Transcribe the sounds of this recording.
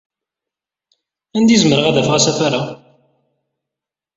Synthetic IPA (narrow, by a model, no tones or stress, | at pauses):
ænd̪izməɾəʁæðæfʁæsæθaɾa